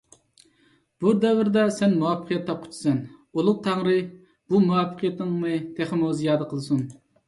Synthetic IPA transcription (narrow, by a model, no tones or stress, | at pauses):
b̥ud̪ɛvɪɾd̪ɛsɛnmuwɑpʰːə̥qʰijɛt̪ʰːɑp̚qʰʊ̥t͡ʃ̪ʰu̥sɛnolˠʊq̚t̪ʰɑŋɾɨ | b̥umuwɑpʰːə̥qʰijɛt̪ɪɨŋmɨt̪ʰeχɨmozijɑːd̪əqʰəlˠɨsun